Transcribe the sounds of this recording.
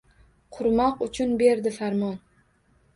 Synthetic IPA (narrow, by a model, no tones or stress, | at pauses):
qʰʊɾmɒqʊt͡ʃʰʊnbe̞ɾd̪ɪfaɾmɒn